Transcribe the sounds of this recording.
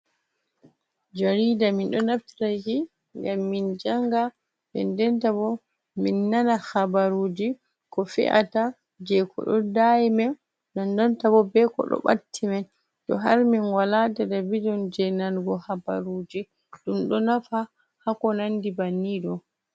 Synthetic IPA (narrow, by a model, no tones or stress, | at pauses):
d͡ʒaɾidaminɗɔnafti̥tad͡ʒi | ŋɡamːind͡ʒaŋɡa | bɛ̰ndɛntabɔ | minːanaxabaɾuːd͡ʒi | kɔfɛ̰ʔa̰ta | d͡ʒɛkʰɔ̰ɗɔ̰dajimɛn | dandɔntabɔbɛkɔ̰ɗɔ̰ɓa̰tʰːimɛn | tɔ̰ɦaɾminwalatadabidɔnd͡ʒɛnanɡɔhaba̰ɾud͡ʒi | ɗumɗɔnafa | hakɔnandibanːiɗɔ